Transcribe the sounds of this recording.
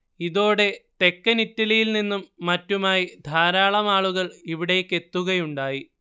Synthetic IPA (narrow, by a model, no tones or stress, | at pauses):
iðo̞ːɽe̞t̪e̞kːɐnitːɐlɐjilninːumːɐtːumaːjid̪ʱaːɾaːɭɐmaːɭuɣɐɭiʋiɽejekːe̞t̪ːuɣɐjuɳɖaːji